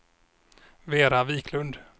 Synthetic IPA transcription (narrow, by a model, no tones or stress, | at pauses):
veːɾaviːkʰlɵnd̪